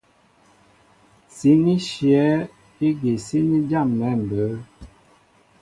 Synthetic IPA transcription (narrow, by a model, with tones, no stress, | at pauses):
si˨˦ni˦ʃjɛ˨˦ | e˦ɡe˨si˦ni˦d͡ʒa˦˨mmɛ˦˨m̩˨bə˨˦